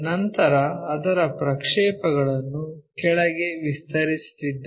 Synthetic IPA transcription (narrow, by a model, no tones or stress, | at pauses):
nɐnt̪ɐɾɐːd̪ɐɾɐpɾɐkʂɛːpɐɡɐɭɐnːukɛɭɐɡe̞ʋist̪ɐɾist̪id̪ː